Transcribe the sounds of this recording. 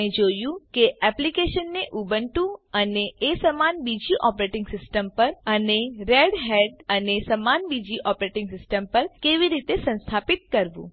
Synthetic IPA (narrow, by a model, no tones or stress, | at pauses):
ed͡ʒojũkeɛplikeʃənːeʔubəɳʈũəneʔːsəmanbid͡ʒiʔɔpɾeʈɪŋɡsɪsʈəmpəɾəneɾeɽɦeɖənesəmanbid͡ʒiʔɔpɾeʈɪ̃ŋɡsɪsʈəmpəɾkeʋiɾit̪esə̃nst̪ʰapit̪̚kəɾʋṵ̃